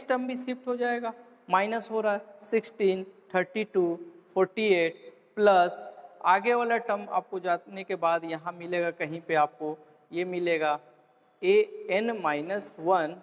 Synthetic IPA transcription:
ɪsʈəmbʱisɪpʰʈɦod͡ʒaːeːɡaː | maːɪnəsɦoɾaɦɛsɪksʈiːnt̪ʰəɾʈiʈuːpʰɔːɾʈieːʈ | pləsaːɡeʋaːleʈəma̰ːp̚kod͡ʒaːt̪nekebaːd̪jɐɦãmɪleːɡakɐɦĩpeaːp̚ko | jemɪleːɡaː | eɛnmaːɪnəswən

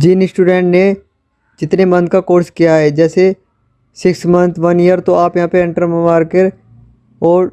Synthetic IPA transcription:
d͡ʒɪnɪsʈuːɖẽːɳʈne | d͡ʒɪt̪nemɐ̃nd̪̚kakoːɾskijaɦɛːd͡ʒɛːse | sɪksmɐ̃nt̪ʰʋɐnijəɾt̪oaːpjɐɦãːpeɪ̃ɳʈəɾməmaːɾkeɾ | ɔːɾ

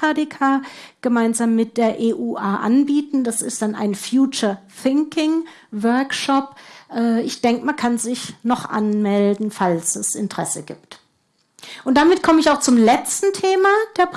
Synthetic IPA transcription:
aːdeːkʰaːɡ̥əmaɪnzaːmːɪt̚d̥eːɐʔeːʔuːʔaːʔa̰nbiːtn̩d̥asɪst̚d̥ana̰ɪnfjuːt͡ʃɐ | θɪŋkɪŋ | vœɐkʃɔpʔɛːʔɪçd̥ɛŋkəmankʰanzɪçnɔχʔa̰nmɛldn̩falsɛsɪ̰ntəʁ̥ɛsə̰ɡḭːp̚t | ʔʊnt̚d̥amɪtkʰɔməɪçaʊxt͡sʊmlɛt͡stn̩tʰeːmad̥eːɐp

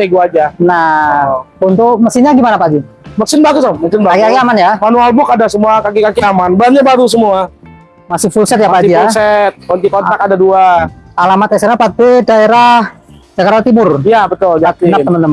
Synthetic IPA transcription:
eɡuad͡ʒana | unt̪ʊkməsihɲaɡimanapaɡi | məksɪnbaɡʊsɔməksɪnbaakikakiamanjamanualbʊkadasəmuakakikakiamanbəanɲabaɾus̬əmua | masɪfulsɛt̪̚jamapaiijalsɛt̪̚kɔnt̪ikont̪akadaduaalamat̪̚ɛsarnapat̪idaeɾah | d͡ʒakaɾat̪imʊrjabət̪ʊld͡ʒat̪iaəmənəm

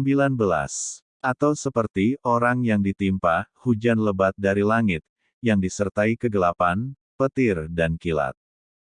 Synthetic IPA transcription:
mbilanbəla̰s | ʔat̪awsəpərt̪ioɾaŋjaŋdit̪impahud͡ʒanləbat̪̚daɾilaŋɪt̪̚ | jaŋdisərt̪aikəɡəlapan | pət̪ɪrdankila̰t̪̚

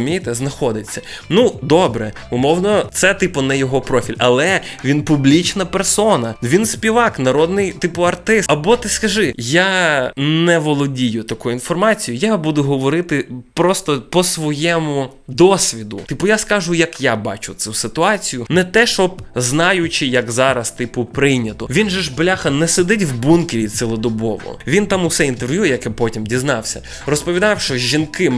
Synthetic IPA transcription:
mʲijt̪ɛznɐxɔd̪ɪt͡sʲːɐnud̪ɔbɾɛ | ʊmɔwnɔt̪sɛt̪ɪpʊnɛjɔɦɔpɾɔfʲilʲɐlˠɛʋʲinpʊblʲit͡ʃnɐpɛrsɔnɐʋʲinsʲpʲiʋɑknɐɾɔd̪nɪjt̪ɪpʊɐrt̪ɪsɐbɔt̪ɪskɐʒɪjanɛʋɔlˠɔdʲijʊt̪ɐkuinfɔrmɑt͡sʲijʊjabud̪ʊɦɔʋɔɾɪt̪ɪpɾɔst̪ɔpɔsʋɔjɛmʊ | d̪ɔsʲʋʲid̪ʊ̰t̪ɪpʊjaskɑʒʊjɐkjabɑt͡ʃʊt̪susɪt̪ʊɑt͡sʲijʊnɛt̪ɛʃɔb̚znɑjʊt͡ʃɪjɐkzɑɾɐst̪ɪpʊpɾɪjnʲɐt̪ɔʋʲinʒɛʒblʲaxɐnɛsed̪ɪtʲwbunkɪɾʲisɪlˠɔd̪ɔbɔ̰ʋɔ̰ʋʲint̪ɑmʊsɛint̪erʋʲjujɛjɐkɛpɔtʲimdʲiznɑwsʲɐ | rɔspɔʋʲid̪ɑwʃt͡ʃɔʒinkɪ

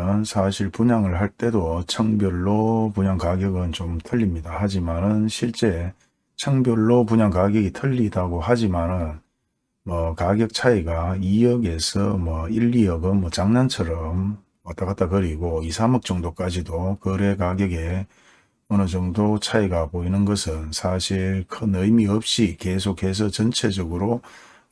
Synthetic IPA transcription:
nsʰaɕʰiɭpuɲaŋɯɭɦaɭt͈e̞dot͡ɕʰaŋbjʌɭːopuɲaŋkaɡjʌɡɯnt͡ɕomtʰɯʎːimɲidahad͡ʑimanɯnɕʰiɭt͡ɕ͈e̞ | t͡ɕʰaŋbjʌɭːopuɲaŋkaɡjʌɡitʰɯʎːidaɡohad͡ʑimanɯn | mwʌkaɡjʌk̚t͡ɕʰaiɡaijʌɡe̞sʰʌmwʌiʎːiʌɡɯnmʌt͡ɕaŋnant͡ɕʰʌɾʌmː | at͈aɣat̚t͈akɯɾiɡoisʰamɯk̚t͡ɕ͈ʌŋdok͈ad͡ʑidokɯɾe̞kaɡjʌɡe̞ | ʌnɯd͡ʑʌŋdot͡ɕʰaiɡapoinɯnɡʌsʰɯnsʰaɕʰiɭkʰɯnɯimiʌp̚ɕ͈ike̞s̬ʰokʰhe̞s̬ʰʌt͡ɕʌnt͡ɕʰe̞d͡ʑʌɡɯɾo

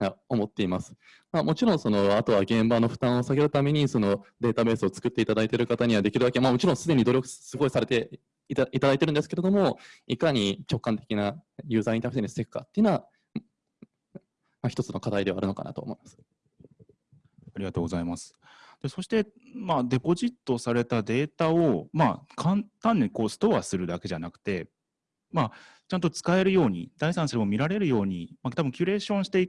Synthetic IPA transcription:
ao̞mo̞t̪ːe̞imasɨ̥ | mamo̞t͡ɕiɾõɰ̃so̞no̞at̪o̞βaɡẽ̞mbano̞ɸɯ̟̥t̪ãɰ̃o̞saɡe̞ɾɯ̟t̪ame̞ɲ̟iso̞no̞d̪e̞ːt̪abe̞ːsɨo̞t͡sɨ̥kɯ̟t̪ːe̞it̪ad̪ait̪e̞ɾɯ̟kat̪aɲ̟iβad̪e̞kʲiɾɯd̪akemamo̞t͡ɕiɾõsɨd̪e̞ɲ̟id̪o̞ɾʲo̞kɯ̟̥sɨɡo̞isaɾe̞t̪e̞ | it̪ad̪ait̪e̞ɾɯ̟nd̪esɨ̥ke̞ɾe̞d̪omo̞ikaɲ̟it͡ɕo̞kːãnt̪e̞̥kʲinajɯ̟ːzait̪aɯ̟eɲisɨ̥t̪e̞kɯ̟kːa̰t̪ːeiɯ̟naβa | maçi̥t̪o̞t͡sɨno̞kad̪aid̪e̞βaɾɯ̟no̞ka̰na̰t̪o̞̰ːmo̞imasɨ̥ | aɾʲiɡat̪o̞ːɡo̞zaimasɨ̥ | d̪̥e̞so̞ɕi̥t̪e̞mad̪e̞po̞ʑit̪ːo̞saɾe̞t̪ad̪e̞ːt̪ao̞makʰãnt̪ãnːiko̞ːsɨ̥t̪o̞asɨɾɯ̟d̪ake̞ʑanakt̪e̞ | ma | t͡ɕãnt̪o̞t͡sɨ̥kae̞ɾɯ̟jo̞ːɲ̟id̪aisãɰ̃sɨɾemo̞mʲiɾaɾe̞ɾɯ̟jo̞ːɲ̟imat̪abɯ̟ŋkʲɨɾe̞ːɕõ̞ɕi̥t̪e̞i

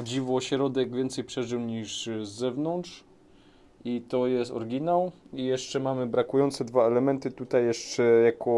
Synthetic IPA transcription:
ɔd͡ʑivɔːɕɾɔd̪ɛɡvʲjɛnt̪sɛjpʂɛʐɘwɲiʐzːɛvnɔnt̪ʂ | it̪ɔjɛst̪ɔ̰ɾɡʲinawijɛʂt͡ʂɛmamɘbɾakujɔnt̪sɛd̪vaɛlɛmɛnt̪ɘt̪ut̪ajːɛʂt͡ʂɛjakʰɔ

